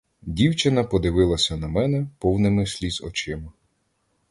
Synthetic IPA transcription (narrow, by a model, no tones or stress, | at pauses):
dʲiwt͡ʃɪnɐpɔd̪ɪʋɪlˠɐsʲɐnɐmɛnɛpɔwnɪmɪsʲlʲizɔ̰t͡ʃɪmɐ